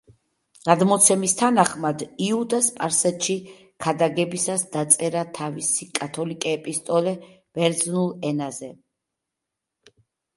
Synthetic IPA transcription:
ɡ̥ad̪mɔt̪sʰɛmist̪ʰanaχmad̪iud̪aspʼaɾsɛt̪ʃi | kʰad̪aɡɛbisasd̪̥at̪sʼɛɾat̪ʰavisikʼat̪ʰɔlikʼɛːpʼist̪ʼɔlɛv̥ɛɾd̪znulˠɛnazɛ

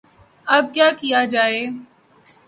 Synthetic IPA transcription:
ɐb̚kjaːkijaːd͡ʒaːeː

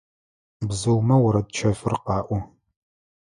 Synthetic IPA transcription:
bzɨwmɐwʊɾɐdt͡ʃʰɐfɨrqɑːʔʷʊ

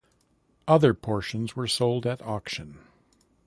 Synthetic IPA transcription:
ʔʌðə˞pʰɔɹʃɨ̃nzwə˞soʊlˠdɨɾɑkʃɨ̃n

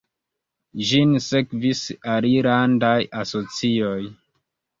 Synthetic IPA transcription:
ʒinsekvisaliɾandajaso̞t͡sio̞j

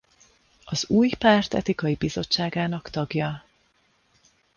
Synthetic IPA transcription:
ɒzuːjpaːrt̪ɛ̰t̪ikɒjibizo̞t͡ʃːaːɡaːnɒkt̪ɒɡjɒ

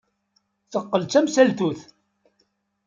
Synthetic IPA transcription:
θəqːəlt͡sæmsælt̪uθ

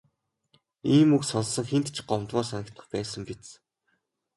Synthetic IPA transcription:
iːmuksɔnsə̆ŋxent̪t͡ɕʰɢɔmt̪wʊːsanə̆kt̪ə̆χpæːsə̆mpet͡s

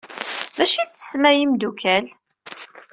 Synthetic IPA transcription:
væʃiðt͡sːə̥smæjimd̪ukʰæl

